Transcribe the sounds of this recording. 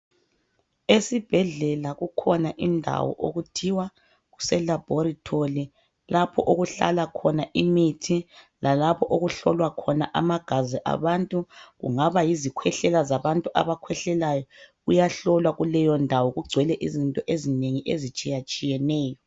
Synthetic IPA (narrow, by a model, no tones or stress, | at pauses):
esib̥ʱɛɮɛlaɣukʰɔnaʔindʱa̰wɔ̰ʔoɣutʰiwa | ɣusɛlab̥ʱoɾitʰoli | lapʰɔʔoɣuɬa̰lakʰɔnaʔimitʰi | lalapʰɔʔoɣuɬɔlwakʰɔnaʔa̰maɡ̥ʱazɛʔa̰βantʼuɣṵŋaβajizikʰwɛɬɛlazaβantʼuʔa̰βakʰwɛɬɛlajɔɣujaɬɔlwaɣulɛjɔndʱawɔɣuɡ͡ǀʱwɛlɛʔizintʼɔʔezineŋiʔezit͡ʃʼijat͡ʃʼijɛnɛːjɔ